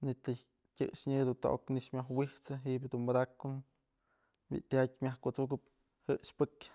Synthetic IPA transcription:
nit̪ɨ | tʲɨʔʂɲɨd̪unt̪o̰ʔo̰kniʂmʲaɦwiht͡sɨɦiʔbʲd̪unbad̪akːun | bḭʔt̪ʲat̚ʲmʲahkot͡sukɨp̚ | hɨʔʂpɨk

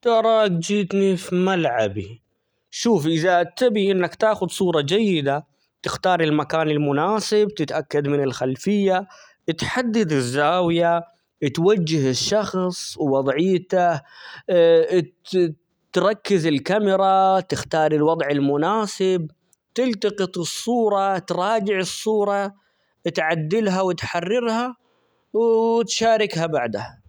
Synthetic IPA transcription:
t̪ɑɾˤɑːkd͡ʒiːt̪nifimalʕabḭ | ʃuːfʔɪðat̪abiʔɪnːakt̪aːxʊd̪sˤuːɾˤɑd͡ʒajːɪd̪a | t̪ɪxt̪ɑːɾˤɪlmakaːnɪlmʊnaːsɪb̚t̪ɪt̪ʔakːad̪mɪnɪlxalfɪjːa | t̪ħad̪ːad̪ɪzːaːwja | t̪wad͡ʒːɪɦɪʃːɑxsˤwɑðˤʕɪjːt̪a | t̪ɾˤɑkːɪzɪlkamɪɾˤɑt̪ɪxt̪ɑːɾˤɪlwɑd̪ˤʕɪlmʊnaːsɪb̚ | t̪ɪlt̪ɑqɨt̪ˤɨsˤːuːɾˤɑt̪ɾˤɑːd͡ʒɪʕɨsˤːuːɾˤɑ | t̪ʕad̪ːɪlɦawɪt̪ħɑrːɪɾha | wt̪ʃaːɾɪkhabaʕd̪a

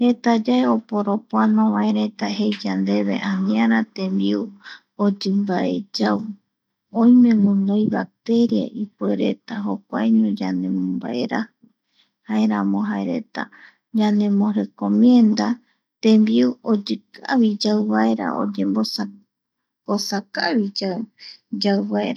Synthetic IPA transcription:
he̞t̪ad͡ʒaeopo̞ɾopoanõβãeɾe̞t̪aɦe̞jd͡ʒand̪e̞βe̞ʔãnĩãɾat̪ẽ̞mbiu | od͡ʒɨmbaʔe̞̰d͡ʒaw | õj̃mẽ̞mɨ̃nojβak̚t̪e̞ɾija̰ʔipue̞ɾe̞̰t̪aɦo̞k̚ʷa̰eɲõd͡ʒane̞mõmba̰ʔe̞ɾahɨ | hae̞ɾãmõ̞ɦaeɾe̞̰t̪a̰ | d͡ʒanẽ̞mõɾe̞kõmiend̪a | t̪ẽmbiuod͡ʒɨkʰaβid͡ʒawβae̞ɾa̰o̰d͡ʒẽ̞mboa | osakaβid͡ʒad͡ʒawβaeɾa

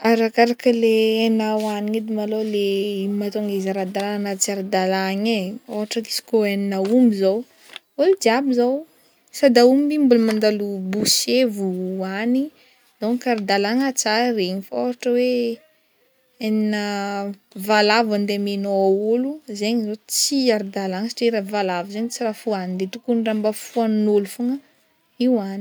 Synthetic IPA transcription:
aɾakaɾakəleanawaniid̪imalolemat̪oŋɡezaɾad̪alanat͡siaɾd̪alaɲeoɦaʈ͡ʂaki̥si̥koaninaumizow | old͡ʒiabizaw | sad̪aumimbulumand̪alubusevuani | zaŋkaɾd̪alaŋat͡sareɲifoɦaʈ͡ʂəwe | eninə | valavand̪emenoaoluzeɲizot͡siaɾd̪alaŋsi̥ʈ͡ʂeɾavalavuzeɲit͡sirafuanind̪et̪ukunirambafuannolufuŋə | iwani̥

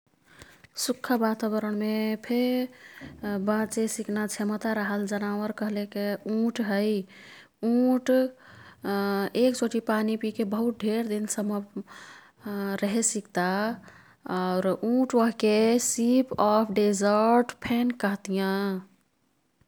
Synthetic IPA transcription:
sukʰːəbat̪abəɾəɽ̃mepʰe | bãt͡ʃesiknat͡ʃʰemət̪aɾəɦəld͡ʒənawəɾkəɦlekeũʈɦəj | ũʈ | ekt͡ʃoʈipanipikebəɦut̪̚ɖʱeɾd̪insəmə | ɾəɦesikt̪a | ɔʊɾũʈwəɦkesipɔpʰɖezəɾʈpʰenkəɦt̪ijã

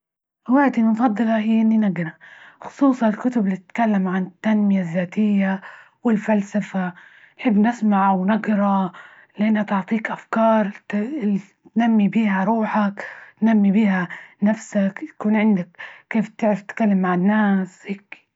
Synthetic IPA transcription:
waʕd̪innfˤɑd̪ːɨlɑhiːʔɪnːinaɡnaxʊ̥sˤuːsˤɑnɪlkʊt̪ʊblit̪ɪt̪kalːamʕanɪt̪ːanmɪjazːaːt̪ɪjːa | wɪlfalsafa | nħɪbːnɪsmaʕawnaɡɾˤɑ | lɪʔanhat̪ɪʕt̪ˤiːkʔafkɑːɾˤ | t̪namːibiːhaɾˤuːħaknnːamːibiːhanafsakt̪ḁkuːnʕɪnd̪akːeːft̪ɪʕɾaft̪ɪkalːamːaʕɪnːaːsheːk

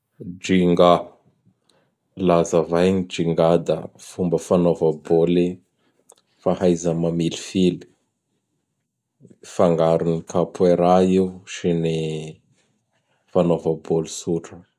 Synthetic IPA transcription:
d͡ʒiŋɡa | lazəvajɲid͡ʒiŋɡad̪ə̰fumbəfanovaboli | fahajzəmamilifili̥ | faŋɡaɾunikapueɾaiwʃini | fanovəbolisuʈ͡ʂə

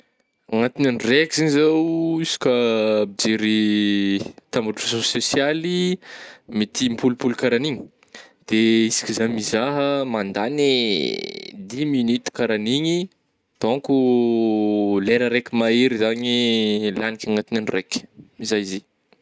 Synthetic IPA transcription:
aŋat̪inanrekiziɲizawisi̥kʲəbid͡ʒeɾi | t̪ambuʈ͡ʂuresososjali | mit̪ʰimpulupulukaɾaniɲi | d̪̥eisi̥kʲizajmizaɦəmand̪ani | d̪iminit̪i̥kaɾaniɲi | t̪oku | leɾəɾekʲimaeɾizaɲilanikʲaŋat̪inanirekʲmizajize

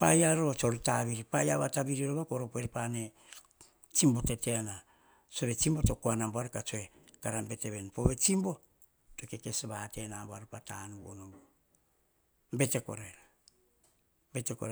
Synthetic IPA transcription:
pajaɾo̞t͡ʃo̞ɾetaβiɾipajaβataβiɾiɾoβakoɾopoeɾpane | t͡ʃimbo̞te̞teana | t͡ʃo̞βe̞t͡ʃimbo̞to̞kuanamboaɾekat͡ʃoekaɾambe̞te̞βenpo̞βe̞t͡ʃimbo̞ | to̞ke̞ke̞sβate̞namboaɾopatanuβo̰nombo | mbe̞te̞ko̞̰ɾeɾa | be̞tekoɾ

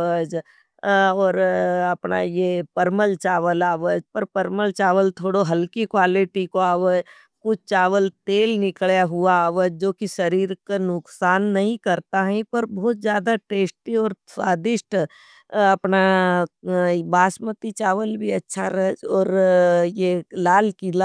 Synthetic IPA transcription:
əd͡ʒ | ɔːɾɐpna̰jepəɾməlt͡ʃaːʋəlaːʋəd͡ʒpɐɾpɐɾməlt͡ʃaːʋəlt̪ʰoːɽoɦɐlkikwaːlɪʈikoaːʋəd͡ʒ | kʊt͡ʃʰt͡ʃaːʋəlt̪eːlnɪkɭjaɦuaaːʋəd͡ʒd͡ʒoːkiʃɐɾiːɾkanʊksaːnːɐɦĩkɐɾt̪aɦɛ̃pɐɾbɔːt̪zjaːd̪aʈeːsʈiɔːɾsaːd̪ɪʃʈ | ɐpna | baːsmət̪it͡ʃaːʋəlbʱiɐtːʃʰaɾɐɦd͡ʒɔːɾjelaːlkila

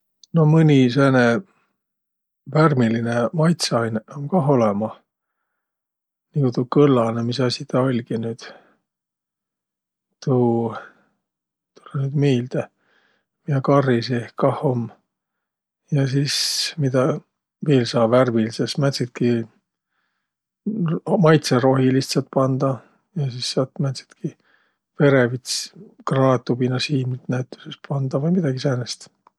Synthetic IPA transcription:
no̞mɨnʲis̬eːne | værmilinemɑjt̪seɑjnomkɑɦo̞lɛmɑ | nikut̪ukɤlːɑnemisɑsʲit̪ɑo̞lʲɡ̥inyːd̪̥ | t̪uː | t̪ulenyːd̪̥miːld̪e | miɑkɑriseehkɑhom | jɑsismid̪̥ɑ | veːlsɑːbværvilsesmæt̪ʲsit̪̚ki | mɑjt̪seɾo̞ɦilist̪sɑt̪̚pɑnd̪̥ɑ | jɑsisːɑːt̪mæt̪si̥t̪ki | pe̞ɾevit̪skrɑnɑt̪ːˑubinɑsiːmilt̪næyt̪ːˑu̥sespɑnd̪̥ɑvɤjmid̪̥ɑɡ̥isæːnest̪

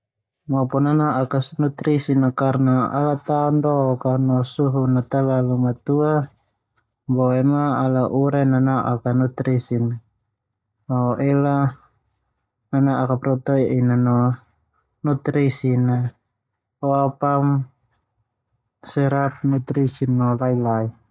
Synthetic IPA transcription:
mɔpɔnanaʔakasnut̪ɾisinakarnaa̰lat̪aɔndɔkanɔsuɦunat̪alalumat̪ua | bɔɛmaːlaʔuɾananaʔakanut̪ɾisina | aʔɛla | nanaʔakapɾɔt̪ɔiʔinanɔ | nut̪ɾisina | ɔapam | sɛɾap̚nut̪ɾisinːɔlailai

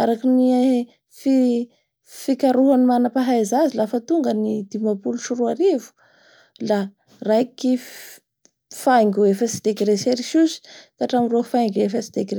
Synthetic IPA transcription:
aɾakini | fi | fikaɾuɦanimanapaɦajzazilafət̪uŋɡənid̪̥imapuluʃuruaɾivu̥ | la | rajki | fajŋɡuefəsi̥d̪̥ekɾeseɾiʃuzi̥t̪aʈ͡ʂamirofajŋɡefəsi̥d̪̥ekre

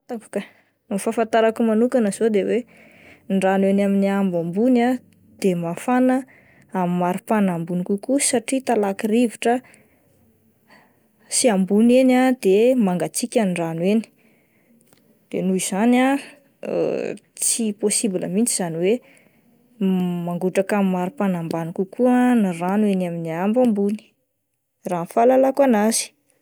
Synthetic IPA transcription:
t̪aku̥kə | numfafant̪aɾakumanukanəz̥od̪ewe | ɳɖ͡ʐanwenaminiambambuna | d̪̥emafanə | amimaɾipanambunikukusaʈ͡ʂit̪alakiriviʈ͡ʂə | siambunenad̪emaŋɡat͡sikʲaniranweni̥ | d̪̥enuiz̥ana̰ | t͡siposibilə̰mint͡siz̥aniwe | maŋɡuʈ͡ʂakamimːaɾupanambanikukuəniranwenaminiambambuni̥ | ranfalalakuanaz̥i̥

